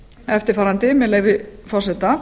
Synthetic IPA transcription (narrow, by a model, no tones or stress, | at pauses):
ɛft̪ɪɾ̥faːɾant̪ɪmɛlɛːɣvɪfɔr̥sɛt̪a